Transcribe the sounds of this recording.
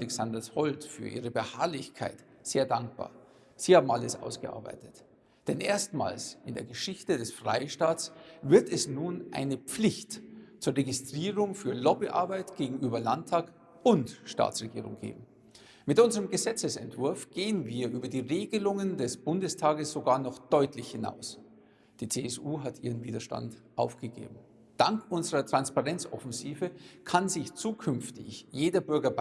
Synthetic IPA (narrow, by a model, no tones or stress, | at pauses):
alɛksandɐshɔltfy̰ːɐʔḭːʁəbəhaɐlɪçkʰa̰ɪt | z̥eːɐdaŋk̚b̥a̰ːɐ | z̥iːhaːbm̩aləsʔa̰ʊsɡ̥ə̰ʔa̰ɐba̰ɪtət | d̥ɛnʔeːɐstma̰ːlsɪndeːɐɡəʃɪçtədɛsfʁ̥a̰ɪʃtaːtsv̥ɪɐtɛsnuːnʔa̰ɪnəp͡flɪçtt͡suːɐʁeɡɪstʁ̥iːʁʊŋfyːɐlɔbiʔa̰ɐbaɪtɡ̥eːɡŋ̩ʔyːbɐlantʰːaːk | ʊntʃta̰ːt͡sʁ̥eɡiːʁʊ̰ŋɡ̥ḛːbm̩ | mɪtʔʊnzəʁəmɡəzɛt͡səsɛntv̥ʊɐfɡ̥eːənviːɐʔyːbɐdiːʁeːɡəlʊŋəndɛsb̥ʊndəstʰaːɡəsz̥oɡaːɐnɔχd̥ɔʏtlɪçhɪna̰ʊs | d̥iːt͡seːɛsʔuːɦatʔiːʁənviːdɐʃta̰ntʔaʊfɡ̥əɡḛːbm̩ | d̥aŋkʔʊnzəʁɐtʁ̥anspaʁɛnt͡sʔɔ̰fɛnziːvəkʰanzɪçt͡suːkʰʏnftɪ̰çjeːdɐbʏɐɡɐ